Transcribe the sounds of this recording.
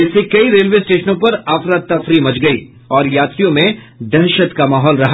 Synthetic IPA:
ɪsekɐiɾeːlʋeːsʈeːʃənõpɐɾaːfɾat̪̚t̪ːɐfɾimɐt͡ʃɡɐḭː | ɔːɾjaːt̪ɾijõmẽ | d̪ɛɾʃət̪kamaːɦɔːlɾɐɦa

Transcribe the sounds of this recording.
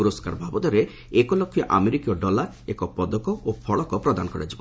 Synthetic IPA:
uɾoska̰ɾbʱabɔd̪ɔɾe | ekɔlɔkʰːjɔʔa̰meɾikijɔɖɔlaɾ | ekɔpɔd̪ɔkɔopʰɔɭɔkɔpɾɔd̪anɔkɔɾa̰d͡ʒibɔ

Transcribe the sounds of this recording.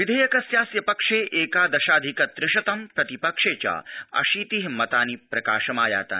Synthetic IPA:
ʋid̪ʱɐːjɐkɐsjaːsjɐpɐkʂeːʔeːkaːd̪ɐʃaːd̪ʱikɐt̪ɾɪʃɐt̪ɐmpɾɐt̪ipɐkʂeːt͡ʃa̰ːɐ̰ʃiːt̪iɦmɐt̪aːnipɾɐkaːʃɐmaːja̰ːt̪a̰ː

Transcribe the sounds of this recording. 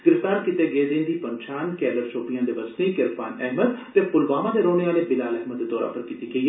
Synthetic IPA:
ɡɪɾɪft̪aːɾkɪt̪eːɡeːd̪ẽːnd̪iːpəɲt͡ʃʰaːnkɛːləɾsʰoːpijãːd̪eːʋəst̪iːkɪɾpaːnɛɦməd̪t̪eːpʊlʋaːmãːd̪eːɾoːneːaːleːbɪlaːlɛɦməd̪d̪ɔːɾa̰ːpəɾkiːt̪iːɡəiː

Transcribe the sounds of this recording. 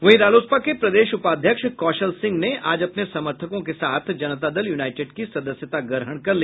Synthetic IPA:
ʋɐɦiɾaːloːspakepɾɐd̪eːʃʊpaːd̪ʱjəkʃkɔːʃəlsɪ̃ŋɡneʔaːd͡ʒɐpnesɐməɾt̪ʰəkõkesaːt̪ʰd͡ʒɐnət̪ad̪ɐljuːnaːɪʈeɖkisɐd̪əsjət̪aɡəɾɦəɽ̃kɐɾliː

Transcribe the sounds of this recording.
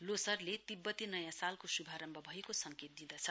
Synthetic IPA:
losʌrlet̪ibːʌt̪inʌjãsalkosubʱaɾʌmbʱʌbʱʌekosʌŋket̪̚d̪id̪ʌt͡sʰʌ

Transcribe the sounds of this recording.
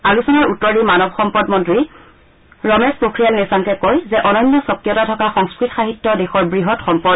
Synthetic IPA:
alusɔnɔɹutːɔɹdimanɔbxɔmpɔdmɔntɹi | ɹɔmɛspokʰɹijalnisaŋkɛkojzɛʔɔnɔjnːɔsɔkːijɔtatʰɔkaxɔŋskɹitxaɦitːɔdɛxɔɹbɹiɦɔtxɔmpɔ

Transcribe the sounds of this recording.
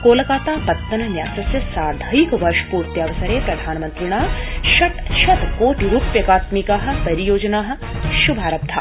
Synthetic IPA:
koːlɐkaːt̪aːpɐt̪ːɐnɐnjaːsɐsjɐsaːd̪ʱɐikʋɐɾʃpuːɾt̪jaːʋɐsɐɾeːpɾɐd̪ʱaːnmɐnt̪ɾiɳ̃aːɦʃɐʈʃɐt̪koːʈiɾuːpjɐkaːt̪mikaːɦɐ̆pɐɾijoːd͡ʒɐnaːɦɐ̆ | ʃubʱaːɾɐb̚d̪ʱʰa̰ː

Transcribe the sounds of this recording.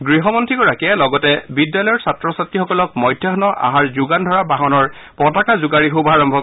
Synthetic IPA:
ɡɹiɦɔmɔntɹiɡɔɹakiɛlɔɡɔtɛbidjalɔjɔɹsatɹɔsatːixɔkɔlɔk̚mɔjdʱjaɔnɔʔa̰ɦaɹzuɡandʱɔɹabaɦɔnɔɹ | pɔtakazʊɡaɹiɦobaɹɔmbʱɔk

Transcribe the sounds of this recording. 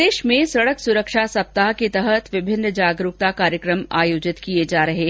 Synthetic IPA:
eːʃmẽsɐɽəksʊɾəkʃasɐp̚t̪aɦket̪ɛɦət̪ʋɪbʱɪnːəd͡ʒaːɡɾuk̚t̪akaːɾjəkɾəmaːjoːd͡ʒɪt̪kied͡ʒaːɾɐɦeː

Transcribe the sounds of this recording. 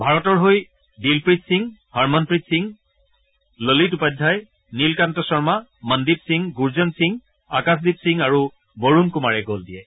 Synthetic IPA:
bʱaɹɔtɔɹɦoj | dilpɹitsiŋhaɹmɔnpɹitsiŋ | lolitupadʱːaj | nilkantɔsɔɹmaməndip̚siŋɡuɹzɔnsiŋ | akas̬dipsiŋaɹu | boɹunkʊmaɹɛɡoldijɛ

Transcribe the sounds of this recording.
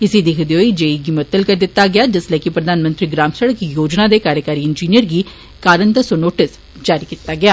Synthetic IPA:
ɪsid̪ɪkʰd̪joːid͡ʒeːiɡimət̪ːəlkɐɾd̪ɪt̪ːaɡɐjaːd͡ʒɪslekipɾɐd̪ʱaːnmə̃nt̪ɾiɡɾaːmsəɽəkijoːd͡ʒnad̪ekaːɾjəkaːɾiɪnd͡ʒiːnijəɾɡi | kaːɾənd̪əsonoːʈɪs | d͡ʒaːɾikit̪ːaɡɐjaː

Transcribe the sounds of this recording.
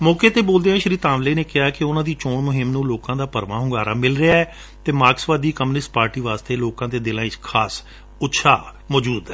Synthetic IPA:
mɔːkeːt̪eːboːld̪eːãːʃəɾiːt̪ãːʋleːneːkɪɦaːkɪʊnãːd̪iːt͡ʃoːɳmʊɦɪmnũːloːkãːd̪aːpəɾʋã̰ːɦʊ̃ŋɡaːɾaːmɪlɾɪaːɛː | t̪eːmaːksʋaːd̪iːkəmnɪsʈpaːɾʈiːʋaːst̪eːloːkãːd̪eːd̪ɪlãːɪkʰaːs | ʊtːʃʰa̰ː | mɔːd͡ʒuːd̪ɛː

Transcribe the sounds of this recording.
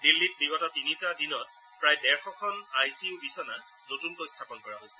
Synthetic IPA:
dilːit̚biɡɔtɔtinitadinɔt̚ | pɹajdɛɹxɔkʰɔnajsiubisɔna | notunkojstʰapɔnkɔɹaɦojsɛ̥

